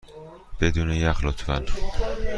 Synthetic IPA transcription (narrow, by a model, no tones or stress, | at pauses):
b̥ed̪uːnejæxlot̪ʰvæn